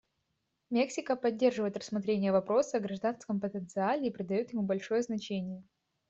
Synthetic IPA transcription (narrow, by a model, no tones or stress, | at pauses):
mʲe̞ksʲɪkəpɐdʲːe̞rʐɨvəjɪt̪rəsmɐt̪ɾʲenʲɪjəvɐpɾo̞səɡɾɐʐd̪anskəmpət̪ənt̪sɨalʲɪːpɾʲɪd̪ɐjot̪jɪmubɐlʲʂo̞jəznɐt͡ɕenʲɪjə